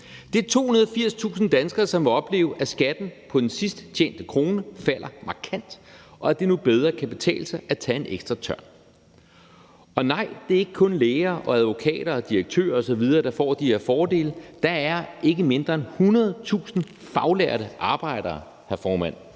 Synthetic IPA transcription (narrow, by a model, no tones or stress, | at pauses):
d̥e̝æɐt͡sʰo̝̰ːhunɐðˠɒfiɐ̰st͡sʰṵːsn̩d̥ænsɡ̥ɐːsɒ̽mʋeɒ̽b̥le̝̰ːʊʔæsɡ̥æd̥n̩pʰɒ̽d̥ensisd̥t͡ɕʰḛːn̰d̥əkʰʁo̝ːnəfæl̰ʔɐmɑ̈kʰæn̰d̥ʔɒ̽æd̥e̝nub̥eð̞ˠʁɐkʰæb̥e̝t͡sʰɛ̰ːl̩sɑʔæt͡sʰɛe̝nʔeɡ̥sd̥ʁɐt͡sʰɶɐ̰n | ɒ̽nɑ̈ɪ̰d̥e̝æɐe̝ɡ̥ə̥kʰɔ̽nleːɪɐːʔɒ̽æð̞ˠʋo̝kʰɛ̰ːɾ̥ɐɒd̥ieɡ̥̚t͡sʰø̰ːɐɒ̽sɒ̽ʋið̞ˠɐːd̥ɑ̈fɒ̰ːd̥iheɐ̰fɒːd̥e̝̰ːld̥ɑ̈æɐʔe̝ɡ̥əme̝nd̥ʁɐenhunɐð̞ˠt͡sʰṵːsn̩ | fɑ̈ʊleɐ̰ɾəʔɑ̈ːb̥ɑ̈ɪ̰ɾ̥ɐː | hæɐfɒːmæn̰